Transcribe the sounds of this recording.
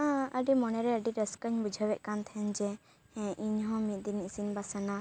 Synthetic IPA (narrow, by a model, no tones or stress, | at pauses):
ãʔəɖimɔnɛɾɛəɖiɾɛskəɲbud͡ʒʱəwɛʔ̚kant̪ʰɛnd͡ʒɛ | ɛ̃ʔiɲɦɔ̃mit̪̚ˀd̪inisinbasana